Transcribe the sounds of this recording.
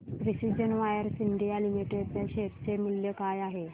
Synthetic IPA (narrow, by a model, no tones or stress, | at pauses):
pɾisid͡ʑənʋajəɾsiɳɖijalimiʈeɖt̪aɕet̪t͡semuljəkajaɦe